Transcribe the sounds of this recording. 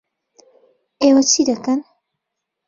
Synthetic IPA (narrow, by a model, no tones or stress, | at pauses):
eːwɐt͡ʃʰid̪ɐkɐn